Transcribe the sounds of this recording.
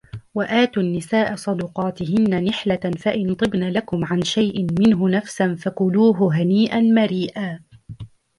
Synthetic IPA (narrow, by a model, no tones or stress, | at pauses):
waʔaːt̪uːnːɪsaːʔasˤɑd̪ʊqɑːt̪ɪɦɪnːanɪħlafaʔɪnt̪ˤɨbnalakʊmʕanʃajʔɪmɪnɦʊnafsanfakʊluːɦʊɦaniːʔanmaɾiːʔaː